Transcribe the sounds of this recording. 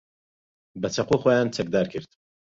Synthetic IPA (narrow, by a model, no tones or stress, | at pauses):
bɐt͡ʃʰɐqoːxojaːnt͡sʰɐk̚d̪aːɾkʰɨɾd̪